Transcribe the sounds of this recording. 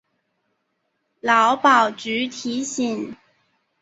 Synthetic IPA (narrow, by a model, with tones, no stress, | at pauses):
lɑ˨˥wpɑ˨˩wt͡ʃyː˨˥t̪ʰi˨˥ɕi˨˩ŋ